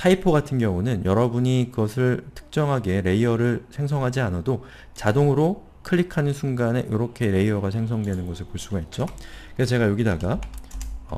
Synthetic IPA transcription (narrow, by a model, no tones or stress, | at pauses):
tʰaipʰoɡatʰɯnɡjʌŋunɯnjʌɾʌbuɲikɯɡʌsʰɯɭtʰɯ̥k̚t͡ɕ͈ʌŋɦaɡe̞ɾe̞iʌɾɯɭsʰe̞ŋs̬ʰʌŋɦad͡ʑianado | t͡ɕadoŋɯɾo | kʰɯɭːikʰanɯnsʰuŋɡane̞ʔoɾʌkʰe̞ɾe̞iʌɡasʰe̞ŋsʰʌŋdwe̞nɯnɡʌsʰɯɭpoɭs͈uɡait̚t͡ɕ͈okesʰʌt͡ɕe̞ɡajoɡidaɡa | ʌ